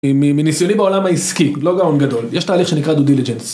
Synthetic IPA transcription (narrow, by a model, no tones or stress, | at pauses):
imiminisjonibao̞lamaiskilo̞ɡaonɡad̪o̞ljɛʃt̪aːliχʃenikʁad̪ud̪ilid͡ʒens